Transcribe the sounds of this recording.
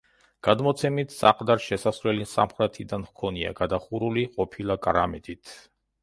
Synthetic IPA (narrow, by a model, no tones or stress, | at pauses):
ɡ̥ad̪mɔt̪sʰɛmit̪ʰsaqʼd̪aɾʃɛsasɾwlɛlisa̰mχɾɛt̪ʰid̪ankʰɔnia̰ɡad̪aχuɾuliqʼɔpʰilˠakʼaɾamɛd̪it̪ʰ